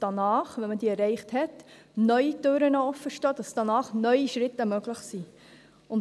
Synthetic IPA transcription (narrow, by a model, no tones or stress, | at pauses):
d̥ɑnɑːχʋɛnmədiːɛrɛɪχthɛt | nœʏitøːɾənɔɔfːəʃtɑːd̥ɑsd̥ɑnɑːχnœʏiʃɾɪtːəmøɡ̥ləχsi | ʊn